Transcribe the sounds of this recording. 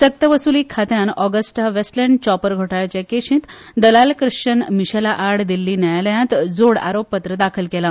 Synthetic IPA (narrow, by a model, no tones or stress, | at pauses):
sək̚t̪əʋəsuliːkʰat̪janɔɡəsʈaʋesʈlɛɳɖt͡ɕɔpəɾɡʱoʈaɭt͡ɕekeɕĩt̪ | d̪əlalkɾɨʂt͡ɕənmiɕelaʔaɽd̪ilːiːnajaləjãt̪d͡zoɽa̰ɾopːət̪ɾəd̪akʰəlkela